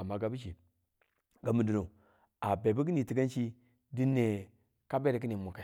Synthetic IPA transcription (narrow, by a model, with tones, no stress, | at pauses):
a˨ma˨ɡa˦bi˦ʃ̬i˨ | ɡa˨mu˨du˨no˨ | a˨be˨bu˦ki˦ni˨ti˨ɡa˦nʃt͡ʃi˦ | di˦nːe˨ | ka˦be˦ɾe˨k̬i˦ni˨mu˨ka˨